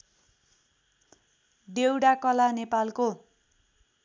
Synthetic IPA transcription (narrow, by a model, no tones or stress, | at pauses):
ɖewɽakʌlanepalko